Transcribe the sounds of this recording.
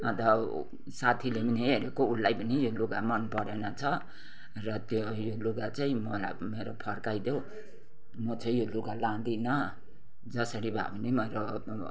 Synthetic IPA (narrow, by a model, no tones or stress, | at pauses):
ʌt̪ʌ | sat̪ʰileminiɦeɾekoulːajbʌnijoluɡamʌnpʌɾenʌt͡sʰʌ | rʌt̪jo | joluɡat͡saĩmʌla̰ | meɾopʰʌrkajd̪jo | mʌt͡saĩjoluɡalãd̪inʌ | d͡zʌsʌɽibʱa̰bʌnimeɾo